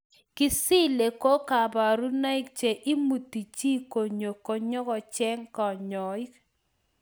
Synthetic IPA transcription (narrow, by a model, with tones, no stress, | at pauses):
kɪ˦si˦le˨ko˦ka˨ba˨ɾu˦na˦ɪ˦k̚t͡ʃe˨ʔi˦mu˨ti˨t͡ʃi˦ko˨ɲo˨ko˨ɲɔ˦kɔ˨t͡ʃɛ˦ŋkɔ˨ɲɔ˨ɪ˦k